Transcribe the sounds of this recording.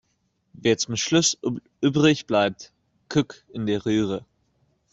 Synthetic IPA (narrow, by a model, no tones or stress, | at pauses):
veːɐt͡sʊmʃlʊsʔyːbʁɪçb̥laɪp̚t | kʰʏkɪndeːɐʁyːʁə